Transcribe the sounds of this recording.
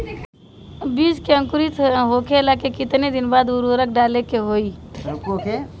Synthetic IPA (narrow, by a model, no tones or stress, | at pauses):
bid͡ʒkeə̃ŋkʊɾit̪ɦokelakekɪt̪ned̪ɪnbaːd̪uɾoɾək̚ɖalekeɦoiɾokoke